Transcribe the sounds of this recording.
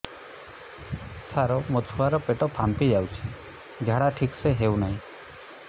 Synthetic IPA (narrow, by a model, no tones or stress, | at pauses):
sʰaɾɔmot̪ʰuaɾɔpeʈɔpʰampid͡ʒawt͡ʃʰi̥ | d͡ʒʱaɽaʈʰikseɦewnaɦĩ